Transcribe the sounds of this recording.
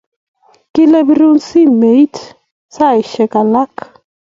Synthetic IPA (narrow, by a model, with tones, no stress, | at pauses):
ki˦lɛ˦bi˦ɾu˦nsi˦me˨i˦t | sa˦˨i˨ʃɛ˨ka˨la˦k